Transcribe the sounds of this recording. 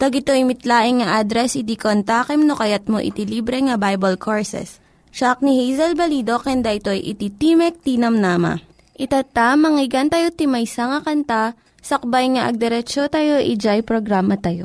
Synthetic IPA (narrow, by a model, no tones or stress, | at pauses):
t̪ɐɡɪt̪o̞jmɪt̪laːʔɪŋŋɐʔad̪ɾɛsʔɪd̪ikont̪aːkɛmnokɐjat̪̚mo̰ʔɪ̰t̪iliːbɾɛŋɐbajbɐlkʰoɹsɛ̰s | ʃak̚nihijzɐlbɐlid̪o̞kɛnd̪aʔɪt̪o̞ʔjʔɪ̰t̪it̪iːmɛk̚t̪iːnɐmnaːmɐ̰ | ʔɪt̪at̪amɐŋɪɡɐnt̪ɐjot̪ɪmɐjsaŋɐkɐnt̪a | sɐk̚bajŋɐʔɐ̰ɡ̚d̪ɛɾɛt͡ʃot̪ɐjo̞ʔɪd͡ʒajpɾoɡɾaːmɐt̪ɐjo